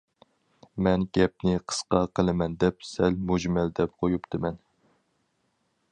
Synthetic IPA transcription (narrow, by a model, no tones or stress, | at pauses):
mɛnɡʲɛp̚nɪqʰə̥sqɑqʰəlˠɨmɛnd̪ɛp̚sɛlmud͡ʒmɛld̪ɛp̚qʰojupt̪ʰɨmɛn